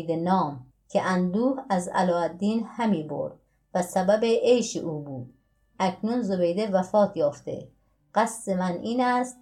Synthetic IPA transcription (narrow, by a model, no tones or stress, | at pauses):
d̪enɒːm | kʰeʔænd̪uːhæzæ̰lɒːæd̪ːiːnhæmiːbo̰ɾd̪̥̚ | væsæbæbeʔejʃiʔuːbuːd̪̥̚ | ækʰnunzobejd̪evæfɒːt̪ʰjɒːft̪ḛ | ɢæsdemænʔiːnæst̪